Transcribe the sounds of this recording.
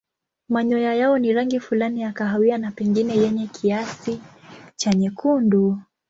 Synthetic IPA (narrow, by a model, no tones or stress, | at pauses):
maɲɔjajaɔniɾaŋɡifulanijakaɦawianapɛŋɡinɛjɛɲɛkʰiasit͡ʃaɲɛkʰundu